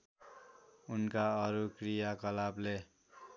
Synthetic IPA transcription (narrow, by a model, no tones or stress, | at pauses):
unkaʌɾukrijakʌlable